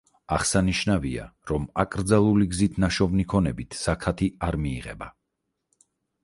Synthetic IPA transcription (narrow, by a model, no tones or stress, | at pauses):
aχsaniʃnavia̰ɾɔmakʼɾd̪zalˠuliɡzit̪ʰnaʃɔvnikʰɔnɛbit̪ʰz̥akʰat̪ʰiaɾmḭːʁɛba